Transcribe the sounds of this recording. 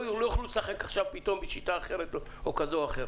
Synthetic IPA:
lojaχlulsaχekaχʃavpit̪o̞mbeʃitaːχeʁet̪o | okazo̞aχeɾ

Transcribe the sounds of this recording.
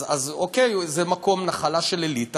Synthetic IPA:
azokejzemako̞mnaχalaʃelelit̪a

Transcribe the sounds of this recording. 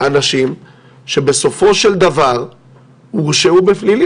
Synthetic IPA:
anaʃim | ʃe̞be̞so̞fo̞ʃe̞ld̪avaʁ | muʁʃeubeflili

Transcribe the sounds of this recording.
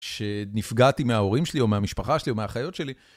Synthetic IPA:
ʃenifɡatimeao̞ʁimʃelio̞meamiʃpaχaʃelio̞meaχajo̞tʃe̞li

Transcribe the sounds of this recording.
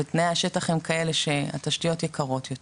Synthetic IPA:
etnejhaʃetaχemkae̞leʃe̞a̰taʃtijo̞tjekʰaʁo̞tjot

